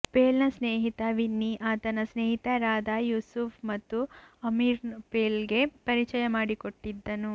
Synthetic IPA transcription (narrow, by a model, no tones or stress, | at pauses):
peːlnɐsneːɦit̪ɐʋinːiʔaːt̪ɐnɐsneːɦit̪ɐɾaːd̪ɐjuːsufʰmɐt̪ːuɐmiɾnpeːlɡe̞pɐɾit͡ʃɐjɐmaːɽiko̞ʈːid̪ːɐnu